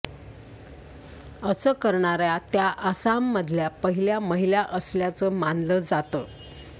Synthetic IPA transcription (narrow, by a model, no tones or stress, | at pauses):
əsəːkəɾɳaɾjat̪jaʔəsamːəd̪ʱljapəɦiljaməɦiljaʔəsljat͡səmanləd͡zat̪ə